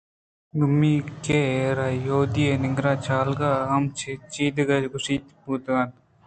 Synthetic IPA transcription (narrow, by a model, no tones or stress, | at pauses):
ɡʊmːiːkeɾajoːd̪ienɪŋɡɾaːt͡ʃʰaːlɡaːɦɐmt͡ʃʰet͡ʃiːd̪ɡɐɡʊsiːt̪puːt̪ɡaːt̪